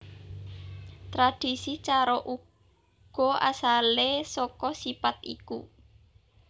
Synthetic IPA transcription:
t̪ɾad̪̥isit͡ʃaɾɔʔu | ɡ̥ɔ̤a̰salesɔkɔsipat̪̚ḭku

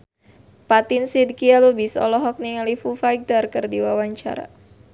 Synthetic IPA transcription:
pat̪insid̪̚kialubisɔ̰lɔɦɔk̚niŋalifufajɡ̚darkərdiwawaɲt͡ʃa̰ɾa̰

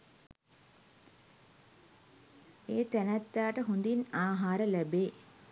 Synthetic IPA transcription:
eːt̪ænæt̪ːaːʈəɦund̪inaːɦaːɾəlæbeː

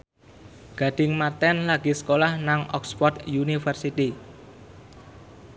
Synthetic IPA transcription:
ɡ̥a̤ɖ̥ɪ̤ŋmart̪ɛnlaɡ̥isə̥kolahnaŋɔ̰kspɔrt̪junifərsit̪i

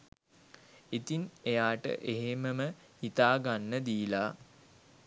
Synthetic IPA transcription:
it̪inejaːʈə̰ʔeɦeməmə | hit̪aːɡanːəd̪iːla

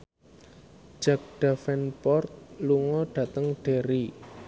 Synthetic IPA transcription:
d͡ʒ̥ak̚ɖ̥afɛnpɔrt̪̚luŋɔɖ̥ä̤t̪əŋɖ̥e̤ɾi

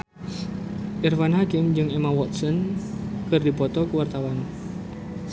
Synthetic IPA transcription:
ʔirfanhakɪmd͡ʒɨŋemawɔt̪̚sɔnkərdipɔt̪ɔkuwart̪awan

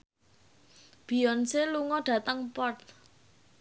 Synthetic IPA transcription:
b̥i̤ɔnseluŋɔɖ̥ä̤t̪əŋpɔrt̪̚

